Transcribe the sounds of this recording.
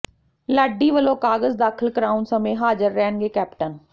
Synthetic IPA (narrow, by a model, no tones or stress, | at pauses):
ləɖiːʋəlõːkaːɡəzd̪aːkʰəlkəɾaːunsəmẽːɦaːd͡ʒəɾːɛːnɡeːkɛːpʈən